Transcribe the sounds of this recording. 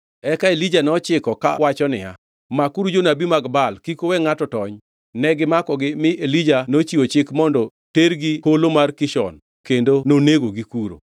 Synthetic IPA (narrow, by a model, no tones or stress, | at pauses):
ɛkaelid͡ʒanɔt͡ʃɪkɔka̰wat͡ʃɔnɪ̰a̰ | makuɾud͡ʒonabimaɡbalkikowɛŋatɔtɔɲ | nɛɡɪmakɔɡɪmɪʔelid͡ʒanot͡ʃiot͡ʃɪkmɔndɔ | teɾɡiholomarkɪʃɔ̰n | kendononeɡoɡikuɾo̰